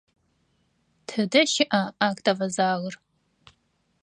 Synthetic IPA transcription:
tʰɨdɐʃɪʔɐaːkʼtɐvɐzaːɣər

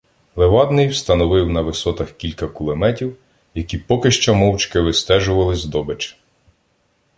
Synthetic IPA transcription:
lˠeʋɑd̪nɪjwst̪ɐnɔʋɪwnɐʋɪsɔt̪ɐxkʲilʲkɐkʊlˠemɛtʲiw | jɐkʲipɔkɪʃt͡ʃɔmɔwt͡ʃkɪʋɪst̪ɛʒʊʋɐlˠɪzʲd̪ɔbet͡ʃɪ̥

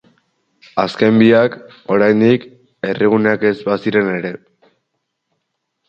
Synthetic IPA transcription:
aske̞mbiak | o̞ɾajnd̪ik | e̞riɣ̞uneake̞zbasiɾe̞ne̞ɾe̞

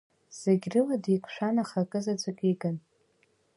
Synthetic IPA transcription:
z̥eɡʲrɨladikʷʰʼʃʷᶣanaχakʼɨzad͡ʒʷakʲʼiɡʼan

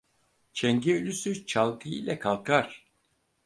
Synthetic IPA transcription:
t͡ʃʰɛŋɟɛølʲysyt͡ʃʰalˠkʰɯḭlʲɛkʰalˠkʰaɾ̥

